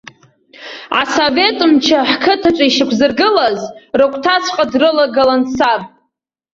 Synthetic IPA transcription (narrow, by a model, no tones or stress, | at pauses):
ʕa̰sove̞tʼɨmt͡ʃʰaħkʰɨtʰaʈ͡ʂʷʼaiʃɪkʷʰzɨrɡɨlazrakʷʰʼtʰat͡sʷʰqʼadrɨlaɡalansapʼ